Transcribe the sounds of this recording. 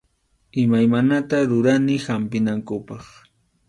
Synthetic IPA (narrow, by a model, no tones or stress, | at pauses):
ɪmajmanat̪aɾʊɾanɪhampɪnaŋkʊpɑχ